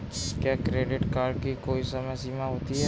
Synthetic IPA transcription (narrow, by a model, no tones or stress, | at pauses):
kjaːkɾeːɖɪʈkaːɾɖkikoːisəməsiːmaɦoːt̪iɦɛ